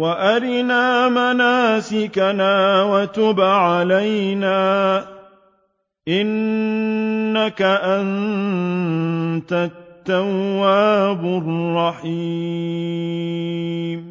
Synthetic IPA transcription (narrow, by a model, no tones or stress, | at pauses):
waʔaɾɪnaːmanaːsɪkanaːwat̪ʊbʕalajnaː | ʔɪn | akaʔan | t̪at̪ːawːaːbʊrːɑħi | m